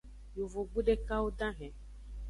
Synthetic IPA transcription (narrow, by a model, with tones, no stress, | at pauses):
jo˨vo˨ɡ͡bu˦ɖe˦ka˦wo˦dã˦ɦɛ̃˨